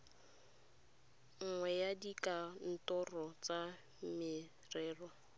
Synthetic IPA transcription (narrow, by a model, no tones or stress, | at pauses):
ŋ̩ŋwɛjadikʼan̩tɔrɔt͡sa | mmɪ | rɛːrɔ